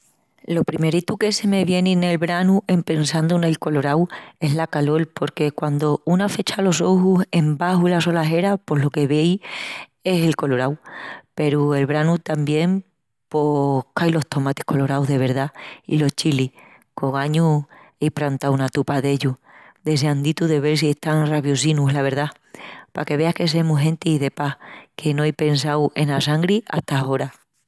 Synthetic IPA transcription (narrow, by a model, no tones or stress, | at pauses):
lo̞pɾime̞ɾit̪uke̞se̞me̞βje̞nĩne̞lβɾanuʔe̞mpe̞nsand̪unajko̞lo̞ɾawe̞ɦlakalo̞lpo̞ɾke̞kwand̪o̞unafe̞t͡ʃalo̞so̞huse̞mbaɦuilaso̞laɦe̞ɾapo̞ɦlo̞ke̞βe̞j | e̞se̞lko̞lo̞ɾawpe̞ɾue̞lβɾanut̪ambje̞m | po̞kajlo̞ht̪o̞mat̪e̥hko̞lo̞ɾawðe̞β̞e̞ɾðaḭlo̞ht͡ʃili | ko̞ŋaɲu | ejpɾant̪awunat̪upaðe̞ʎu | d̪e̞s̬eand̪it̪uðe̞βe̞ɾsie̞ht̪aŋraβjos̬inuɦlaβ̞e̞ɾða | pake̞βe̞ahke̞s̬emuɦẽ̞nt̪iːðe̞pahkʰe̞noajpe̞ns̬awe̞nasaŋɡɾiʔa̰ht̪ao̞ɾa